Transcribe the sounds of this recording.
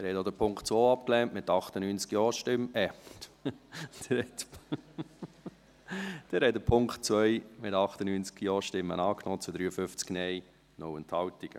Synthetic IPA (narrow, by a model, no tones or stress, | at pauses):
ɛɾhɛtod̪əpʰʊŋktt͡svoːɑpklɛntmɪt̪ɑχtənyːnt͡skjɔːʃtɪmɛpt | d̥ɛhɛtp | d̥ɛɾhɛdəpʰʊŋktt͡svœɪmɪtɑχt̪ənyːnt͡skjɔːʃtɪmːə̰nɑːknoːt͡sud̪ɾyːəfʏft͡sknɛj | nowɛnt̪hɑwtiɡ̥ə̰